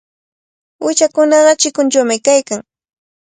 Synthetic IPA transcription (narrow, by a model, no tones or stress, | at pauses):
wɪt͡ʃakʊnɑɢɑt͡ʃɪkʊnt͡ʃawmɪkajkaŋ